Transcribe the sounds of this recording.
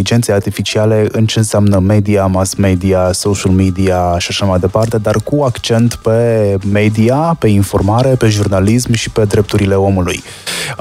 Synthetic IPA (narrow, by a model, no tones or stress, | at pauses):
id͡ʒe̞nt̪seart̪ifit͡ʃiale̞ɨnt͡ʃe̞ɨnseamnəme̞d̪iamasme̞d̪iasoʃalmid̪iaʃiaʃamajd̪e̞part̪e̞d̪arkuakt͡ʃe̞nt̪pe̞me̞d̪iape̞info̞̰rmaɾe̞pe̞ʒurnalismʃi̥pe̞d̪ɾe̞p̚t̪uɾile̞o̞mulṵj